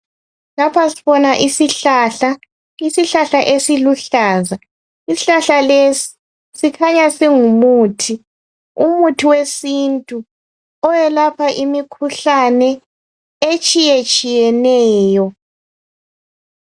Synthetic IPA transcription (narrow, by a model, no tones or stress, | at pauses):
lapʰasiβɔnaʔisiɬaɬa | isiɬaɬaʔesiluɬaːza | isiɬaɬalesi̥ | sikʰaɲasiŋumuːtʰi | umutʰiwesintʼu | ɔjɛlapʰaʔimikʰuɬanɛ | et͡ʃʼijet͡ʃʼijɛnɛːjɔ